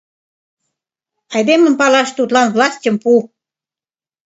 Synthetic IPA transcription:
ɑjd̪emə̆mpɑlɑʃt̪ut̪lɑnvlɑsʲtʲəmpu

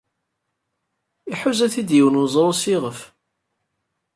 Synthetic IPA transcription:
iħuzæθid̪jəwənwzˤɾˤosiʁəf

